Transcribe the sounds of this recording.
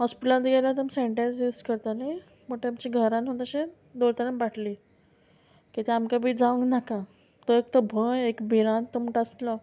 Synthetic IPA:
ɦɔspiʈant̪ɡelat̪əmseɳʈẽnsjuːskəɾt̪anaj | məʈ̪eamt͡ɕiɡʱəɾãnɦõt̪aɕẽ | d̪oɭt̪anambaʈʰli | kit̪eamkabʱiːd͡zaʋəŋknaka | t̪oek̚t̪əbʱəjekbiɾãnt̪ːoməʈast̪lɔ

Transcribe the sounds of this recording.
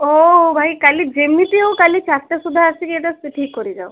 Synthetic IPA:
obʱajkalid͡ʒemːit̪iowkalit͡ʃʰast̪ʈ̪esud̪ʱaasikiet̪aseʈʰiːkːɔɾid͡ʒaw

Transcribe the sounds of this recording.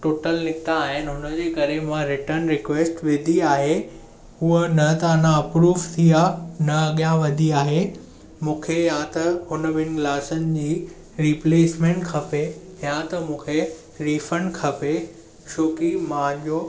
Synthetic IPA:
ʈoːʈəlnɪt̪aːɦɪnɪɦʊnəd͡ʑeːkɐɾemãɾɪʈəɾnɾɪkʋeːsʈʋɪd̪ʱiaːɦe | ɦuənɐt̪anãɐpɾuːʋt̪ʰianɐɐɠjãʋɐd̪ʱiaːɦe | mũːkʰejãt̪ɐhʊnəʋɪnɪ̆klaːsənɪ̆d͡ʑiː | ɾiːpleːsmẽːɳʈkʰɐpe | jãt̪ɐmũːkʰe | ɾiːfə̃ɳɖkʰɐpe | ʃoːkimãʄoː

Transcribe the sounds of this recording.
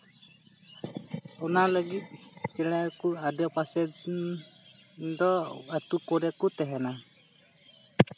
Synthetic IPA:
ɔnaləɡit̪̚t͡ʃɛɽ̃ɛkuad̪jɔpasɛ | d̪ɔat̪ukɔɾɛkut̪ɛɦɛna

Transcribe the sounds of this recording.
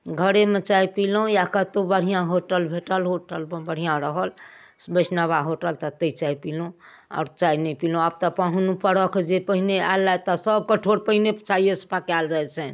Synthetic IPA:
ɡʱəɽemet͡ʃajpilujakət̪obəɽ̤ijãɦoʈəlbʱeʈəlɦoʈəlbəɽ̤ijãɾəɦəl | sbət͡ʃnaβaɦoʈəlt̪ɔt̪əit͡ʃaipilũ | a̰ʊɾt͡ʃainəjpilũab̚t̪ɔpaɦunupəɽəkʰd͡ʒepəɦinea̰lːajt̪ɔsəb̚kəʈʰoɽpəɦinepət͡ʃʰaijosə̥pakald͡ʒajt͡ʃʰɛn

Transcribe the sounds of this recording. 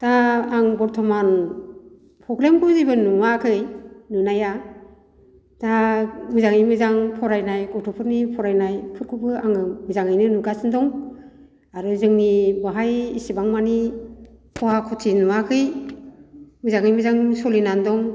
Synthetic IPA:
taːŋbɔɾtʰɔman | pʰɾɔɡlemkʰuzibɯnuwakʰɯjnɯnaja | tamɯzaŋɯjmɯzaŋpʰɔɾajnajkɔtʰɔpʰɯɾnipʰɔɾajnajpʰɯɾkʰubɯaŋɯmɯzaŋɯjnɯnuɡasɯndɔŋ | aɾɯzɯŋnibaɦajisibaŋmani | pʰɔhakʰɔtʰinuwakʰɯj | mɯzaŋɯjmɯzaŋsɔlinandɔŋ

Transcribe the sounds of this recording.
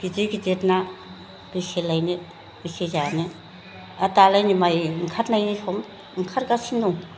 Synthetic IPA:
ɡ̥id͡ʒeɡid͡ʒetna | b̥iselajni | b̥isezani | atalajnimajŋkʰatnajnihɔm | ŋ̩kʰaɾɡasinduŋ

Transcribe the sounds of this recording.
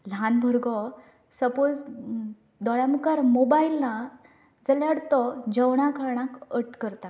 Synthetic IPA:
lanbʱəɾɡʱɔ | səpod͡z | d̪ɔɭjamukaɾmobailna | d͡zəljaɽt̪ɔd͡ʑəwɳ̃akaɾɳãkəʈkəɾt̪a

